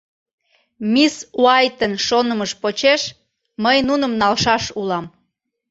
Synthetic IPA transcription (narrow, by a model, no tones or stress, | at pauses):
misuɑjt̪ənʃonəməʃpot͡ɕeʃ | məjnunəmnɑlʃɑʃulɑm